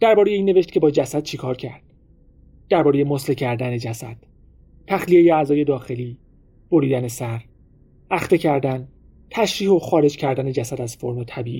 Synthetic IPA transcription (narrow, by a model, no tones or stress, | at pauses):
d̪̥æɾbɒːɾejeiːnːe̞ve̞ʃt̪̚cʰe̞bɒːd͡ʒæsæd̪̥̚t͡ʃʰekʰɒːɾcʰæ̰ɾd̪̥ | d̪̥æɾbɒːɾeje̞moslecʰæɾd̪æned͡ʒæsæ̰d̪̥ | t̪ʰːæxlijejeæzɒːje̞d̪ɒːxe̞liː | b̥o̞ɾiːd̪æne̞sæɾ | æxt̪e̞cʰæɾd̪æn | t̪ʰæʃɾiːho̞xɒːɾe̞d͡ʒcʰæɾd̪æne̞d͡ʒæsæd̪æz̥fo̞ɾmot̪ʰæbiːʔi